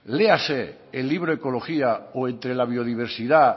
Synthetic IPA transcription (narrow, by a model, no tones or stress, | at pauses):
lease | elːiβ̞ɾoeko̞lo̞xiaoe̞nt̪ɾe̞laβ̞io̞ðiβ̞e̞ɾsiða